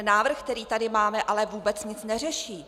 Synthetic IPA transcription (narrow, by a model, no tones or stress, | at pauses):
naːvr̩xkt̪ɛɾiːt̪adɪmaːmɛʔalɛvuːbɛt͡sɲɪt͡snɛr̝ɛʃiː